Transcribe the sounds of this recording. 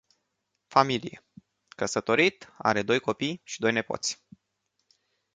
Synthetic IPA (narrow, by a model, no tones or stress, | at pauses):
familije | kəsət̪o̞ɾit̪a̰ɾe̞d̪ojko̞pijʃid̪o̞jne̞po̰t̪sʲ